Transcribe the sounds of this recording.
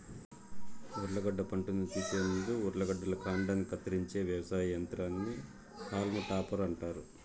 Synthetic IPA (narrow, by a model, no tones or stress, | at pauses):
uɾlɐɡɐɖːɐpɐɳʈunut̪iːsennd̪uuɾlɐɡɐɖːɐlɐkaːɳɖɐnːikɐt̪ːɐɾiɲt͡ʃe̞ːʋjɐʋɐsaːjɐjɐnt̪ɾaːnːi | kaːlmɐʈaːpɐɾɐɳʈaːɾu